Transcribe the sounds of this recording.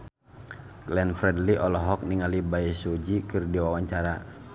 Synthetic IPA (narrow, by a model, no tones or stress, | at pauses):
klɛnfɾɛdliʔɔlɔɦɔk̚niŋalibaisud͡ʒikɨrdiwawaɲt͡ʃaɾa